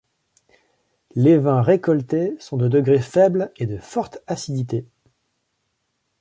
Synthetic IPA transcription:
levɛ̃ʁekɔlt̪esɔ̃d̪əd̪əɡʁefɛbled̪əfɔʁt̪asid̪it̪e

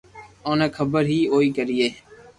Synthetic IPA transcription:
õːnẽːkʰəbəɾɦiːɦoːiːkəɾiːeː

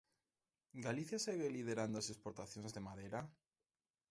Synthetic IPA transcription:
ɡaliθjaseɣelið̞eɾand̪oasespoɾt̪aθjõnzðemaðeɾa

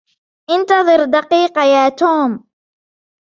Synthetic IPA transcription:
ʔɪnt̪ɑðˤɨɾd̪ɑqiːqɑjaːt̪uːm

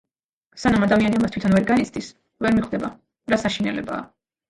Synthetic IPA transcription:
sanamad̪amianiamast̪ʰwit̪ʰɔnvɛɾɡanit̪sʰd̪is | vɛɾmiχd̪ɛba | ɾasaʃinɛ̰lɛ̰ba̰ː

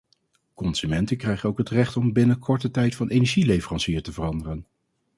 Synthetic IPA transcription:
kɔnz̥ymɛntəkrɛjχənowkɦətrɛχtɔmbɪnəkʰɔɹtətɛjtfɑnejnɛɹʒilejfvərɑnsiːɹtəvərɑndərən

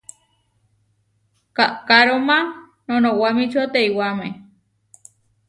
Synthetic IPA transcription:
kaʔkaɾomã | nonowamit͡ʃot̪eiwame

